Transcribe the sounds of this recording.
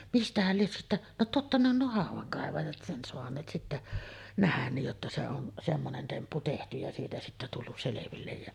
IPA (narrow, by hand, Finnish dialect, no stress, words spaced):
mistæhæl lies sitːæʔ no totːɑ ne on nuo hɑˑuʋˑɑŋkɑˑeʋɑjɑt sen soɑnˑeːt sitːæ næhæn niːj jotːɑ se on semːonen tempːu tehty jɑ siːtæ sitːæ tulːus seleʋilːej jæ